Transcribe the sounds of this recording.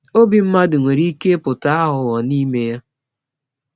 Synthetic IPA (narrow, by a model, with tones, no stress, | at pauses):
o˦bi˨m̩˦ma˦dʊ˨ŋʷe˨ɾi˦ke˦pʊ˨ta˨˦a˦ɦʊ˨ɣɔ˨ni˦me˦ja˦